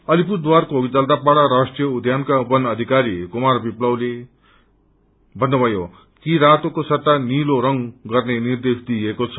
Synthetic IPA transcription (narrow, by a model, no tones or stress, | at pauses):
ʌlipuɾd̪warkoɡid͡zʌld̪apaɽaɾasʈrijʌud̪ʱjankabʌnʌd̪ʱikaɾikumarbiplʌwle | bʱʌnːʌbʱʌjo | kiɾat̪okosʌt̪ːaniloɾʌŋɡʌrnenird̪esd̪iekot͡sʰʌ̥